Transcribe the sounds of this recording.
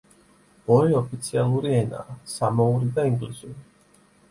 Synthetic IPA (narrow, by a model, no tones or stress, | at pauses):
ɔɾiɔpʰit̪sʰialˠuɾiɛna̰ːsamɔuɾid̪aiŋɡlisuɾi